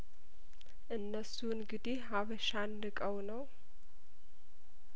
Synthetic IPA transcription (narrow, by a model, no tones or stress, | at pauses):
ʔɨnːəsunɡɨd̪eɦaβəʃanːɨkʼəwnəw